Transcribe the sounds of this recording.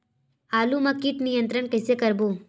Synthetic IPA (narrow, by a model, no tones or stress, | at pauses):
aːlumɐkiʈnijənt̪ɾəɳkəjsekəɾbuː